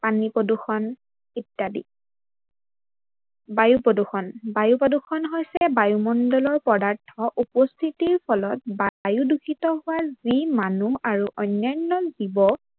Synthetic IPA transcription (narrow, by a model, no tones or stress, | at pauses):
panipɔduxɔn | itːadḭ | bajupɔduxɔnbajupɔduxʰɔnɦojsɛbajumɔndɔlɔɹpɔdaɹtʰɔʔupɔstʰitiɹpʰɔlɔt̚bajudukʰitɔɦʊwazimanuaɹuʔɔnːɔnːɔzibɔ